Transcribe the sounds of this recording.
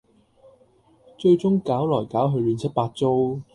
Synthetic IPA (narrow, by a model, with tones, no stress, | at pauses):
t͡ʃɵ˧ɥt͡sʊ˥ŋkaː˨˥wlɔː˨˩jkaː˨˥wɦɵ˧lyː˨˧nt͡sʰɐ˥t̚paː˧t̚t͡so˥w